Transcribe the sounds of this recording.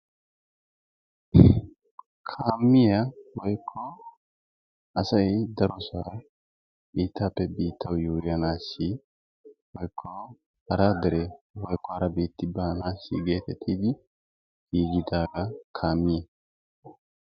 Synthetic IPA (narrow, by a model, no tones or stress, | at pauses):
kʰaːmːɪjɐwɔjkʰːɔ | ɐsɐjd̪ɐɾɔsɐ | biːt̪ʰːaːpːɛbiːt̪ʰːɐwjuːjɐnaːsːi | wɔjkʰːɔ | hɐɾaːd̪ɛɾɛwɔjkːɔhɐɾɐbiːt̪ːɪbaːnaːsḭɡe̞ːt̪ɛt̪ʰːiːd̪ɪ | ɡiːɡɪd̪aːɡɐkʰaːmːɪjɛ